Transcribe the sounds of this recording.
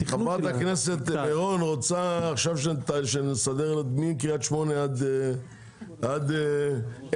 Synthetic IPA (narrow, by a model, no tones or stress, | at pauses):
iapat̪aknese̞t̪eʁonʁot͡saːχʃavʃetʃenesad̪eʁelod̪mimkiat̪ʃmo̞nead̪ | ad̪